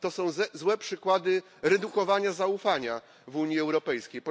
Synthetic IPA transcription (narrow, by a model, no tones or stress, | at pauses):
t̪ɔsɔ̃w̃zwɛpʂɘkwad̪ɘ | ɾɛd̪ukɔvaɲazaufaɲa | vuɲjiɛwɾɔpɛjskʲejpɔ